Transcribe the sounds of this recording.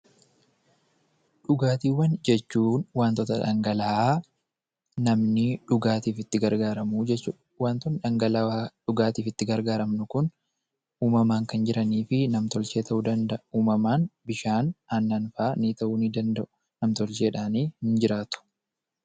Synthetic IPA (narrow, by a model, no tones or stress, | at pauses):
ᶑʊɡaːt̪iːwːɐnd͡ʒɛt͡ʃːuːnwaːnt̪ɔt̪ɐᶑɐŋɡɐlaːʔaː | nɐmnɪᶑʊɡaːt̪iːfɪt̪ːɪɡɐɾɡaːɾɐmud͡ʒɛt͡ʃːuː | waːnt̪ɔnᶑɐŋɡɐlaaᶑʊɡaːt̪iːfɪt̪ːɪɡɐɾɡaːɾɐmnʊkʊn | uːmɐmaːŋkɐnd͡ʒɪɾʔɐniːfɪnɐmt̪ɔlt͡ʃe̞ːt̪ʰɐʔud̪ɐnd̪ɐʔuːmɐmaːnbɪʃaːnɐnːɐnfaːnit̪ɐʔuːnid̪ɐnd̪ɐʔʊ̥ | nɐmt̪ɔlt͡ʃe̞ːᶑaːniːhɪnd͡ʒɪɾaːt̪ʊ̥